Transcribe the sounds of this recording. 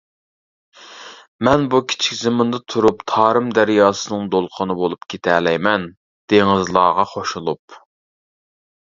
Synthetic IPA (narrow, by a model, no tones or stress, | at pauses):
mɛnbukʲʰi̥t͡ʃʰɪ̥kʲzɨmɨnd̪ɨt̪ʰuɾupt̪ʰɑːɾɨmd̪æɾjɑːsɨnɨŋd̪olˠqʰənɨbolˠupkʲʰet̪ʰɛlɛjmɛn | d̪̥eŋɨzlˠɑːʁɑχʰoʃulˠup̚